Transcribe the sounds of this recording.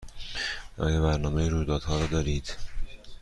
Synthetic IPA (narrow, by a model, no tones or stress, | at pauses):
ʔɒ̰ːjɒbæɾnɒːmejiɾuːjd̪ɒːd̪hɒːɾɒːd̪ɒːɾiːd̪̥